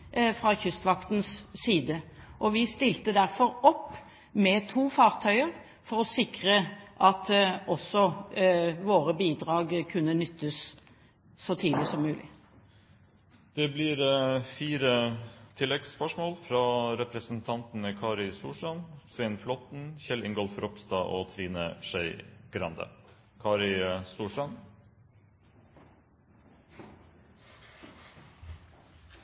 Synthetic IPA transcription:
fʁɑçʏst̪ʋɑkt̪n̩sːiːd̪əʔɔʋɪst̪ɪlt̪əd̪æɾfɔɾɔpː | mɛt̪ʰuːfɑːʁt̪ʰœʏəɾ | fɔɾɔsɪkʁəʔɑt̪ʔɔsːɔ | ʋoːɾəbiːd̪ʁɑːɡkʰʉnːənʏt̪ːəsː | ɔt̪ʰiːd̪lɪsɔmːʉːlʔɪ̰ | d̪̥ɛblɪɾfiːɾət̪ʰɪlːɛɡspœʂmoːlfɾɑːɾɛpɾəsn̩t̪ʰɑnt̪n̩əkʰɑːɾɪst̪uːʂʈɑnsʋɛnflɔt̪n̩çɛlɪŋɡɔlfɾɔpst̪ɑːʔoːt̪ʰɾiːnəʃœʏɡ̥ɾɑnd̪ə̰ | kʰɑːɾɪst̪uːʂʈɑn

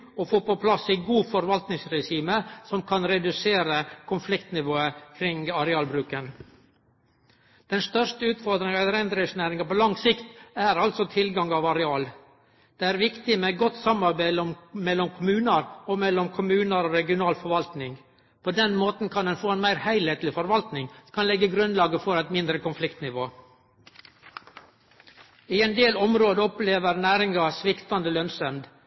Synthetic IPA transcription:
ɔfoːpɔpʰlɑsiɡuːfɔɾʋɑlt̪nɪŋsɾɛʃiːməsɔmkʰɑnɾɛd̪ʉseːɾəkʰʊnflɪkt̪nɪʋoːəkʰɾɪŋɑɾɛɑːlbɾʉːkən | d̪̥ɛnst̪œʂʈəʉːt̪fɔɾd̪ɾɪŋɑɛlɾɛnd̪ɾɪsnæːɾɪŋɑpɔlɑŋsɪkt̪æɾɑlt̪sɔt̪ʰɪlɡɑŋɑʋɑɾɛɑːl | d̪̥ɛæɾʋɪkt̪ɪmɛɡɔt̪ːsɑmɑɾbæɪd̪əɔmmɛlːɔmkʰʊmʉːnəɾɔmɛlɔmkʰʊmʉːnəɾoːɾɛɡɪʊnɑːlfɔɾʋɑlt̪nɪŋ | pʰod̪ɛnmoːt̪n̩kʰɑnd̪ɛnfoːɛnmæɪɾhæɪlheːt̪ʰlɪfɔɾʋɑlt̪nɪŋkʰɑnlɛɡːəɡɾʉnlɑːɡəfɔɾɛɪt̪mɪnd̪ɾəkʰʊnflɪkt̪nɪʋoː | ɪɛɪnd̪eːlɔmɾoːd̪əɔpleːʋəɾnæːɾɪŋɑsʋɪkt̪ɑnd̪əlœnsœmd̪

